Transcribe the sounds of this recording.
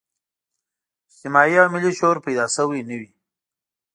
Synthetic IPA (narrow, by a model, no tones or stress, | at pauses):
simɑjiawmɪliʃoɾpajd̪ɑsəwinəwi